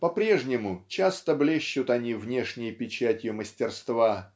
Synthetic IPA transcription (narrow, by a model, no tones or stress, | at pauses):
pɐpɾʲeʐnʲɪmʊt͡ɕast̪əblʲeɕːʊt̪ɐnʲivnʲe̞ʂnʲɪjəpʲɪt͡ɕætʲjʊməsʲtʲɪrst̪va